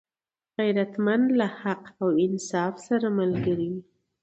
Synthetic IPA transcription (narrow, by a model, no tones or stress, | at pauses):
ɣajɾat̪mand̪lahaqawɪnsɑfsaɾamalɡəɾi